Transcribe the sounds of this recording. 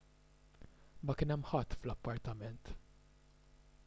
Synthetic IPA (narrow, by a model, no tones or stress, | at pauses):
mɐkɪːnɛmːħɐt̪ːflɐpːɐɾt̪ɐmɛnt̪